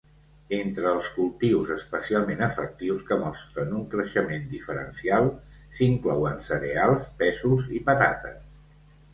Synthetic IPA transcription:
ent̪ɾəːlˠskulˠt̪iwzəspəsialˠmenəfək̚t̪iwskəmɔst̪ɾənuŋkɾəʃəmend̪ifəɾə̰nsialˠsiŋklɔwənsəɾealˠspɛzuzipət̪a̰t̪ə̰

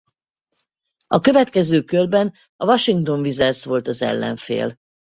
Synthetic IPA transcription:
ɒkø̞vɛt̪kɛzøːkølbɛn | ɒvɒʃiŋkt̪o̞ɱvizɛrsʋo̞lt̪ɒzɛ̰lːɛ̰ɱfḛːl

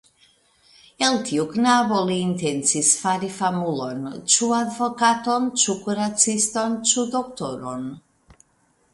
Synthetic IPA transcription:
elt̪iuknaβoliːnt̪ensisfaɾifamulont͡ʃuad̪vokat̪ont͡ʃukuɾat̪t͡sist̪ont͡ʃud̪okt̪oɾo̰n

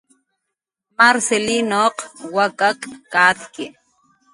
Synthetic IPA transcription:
maɾselinoqwakakːaːt̪kɪ

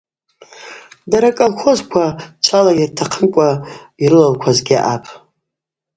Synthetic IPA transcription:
daɾakʼalχʷʰozkʷʰat͡ʃʷʰalajartʰaqʰəmkʷʼaiɾɨlalkʷʰazɡʲiʔapʼ

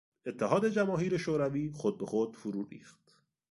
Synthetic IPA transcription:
et̪ʰːeɦɒːd̪e̞d͡ʒæmɒːɦiːɾe̞ʃoːɾæviːxod̪̚be̞xod̪̥fuɾurḭːxt̪

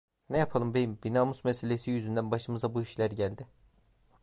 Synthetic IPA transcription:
nɛjapʰalˠɯmbenimbinaːmusmeselʲesijyzynd̪ænbaʃɯmɯzabuiʃlʲæɾɟælʲd̪ɪ

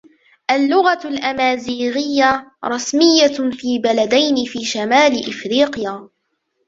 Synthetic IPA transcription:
ʔalːʊɣalʔamaːziːɣɪjːaɾˤɑsmɪjːafiːbalad̪ajnɪfiːʃamaːlɪʔɪfɾiːqjaː

